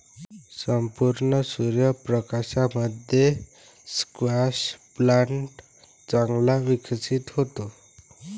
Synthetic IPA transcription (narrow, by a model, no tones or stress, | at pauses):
səmpuɾɳəsuɾjəpɾəkaɕaməd̪ʱje | skʋaɕplaɳʈ | t͡saŋɡlaʋikʰsit̪ɦot̪o